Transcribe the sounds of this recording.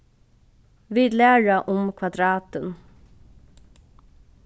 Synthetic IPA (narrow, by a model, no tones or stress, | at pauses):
ʋiːd̪læːɻaʔʊmkʰʋad̪ɾɑːt̪ən